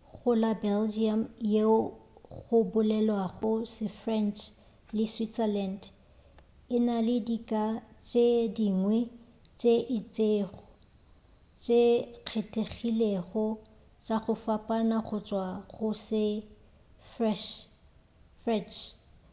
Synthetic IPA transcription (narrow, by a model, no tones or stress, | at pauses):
ɣʊlabɛld͡ʒiamje | ɣʊbʊlɛlwaɣʊsɪfrɛnt͡ʃʰʼ | lɪswitsɛland | ɪnalɪdikʼat͡ʃʼediŋwɛ | t͡ʃʼeʔɪt͡sʼeːχɔ̥ | t͡ʃʼeq͡χʰetʼeɣileɣɔ | t͡ʃʼaɣʊfapʼanaχʊt͡ʃʼwaɣʊsɪ | frɛ | frɛnt͡ʃʰ